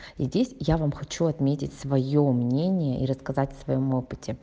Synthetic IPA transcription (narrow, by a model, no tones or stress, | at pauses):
izʲdʲesʲjavamxɐt͡ɕuɐt̪mʲetʲɪtʲsvɐjomnʲenʲɪjəʔḭɾəskɐzatʲsvɐjo̞mo̞pɨ̥tʲʰɪ